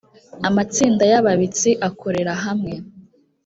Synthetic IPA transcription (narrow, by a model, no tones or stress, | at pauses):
amat͡siːndajaβaβit͡siʔakʰo̞ɾe̞ɾaɦamŋe̞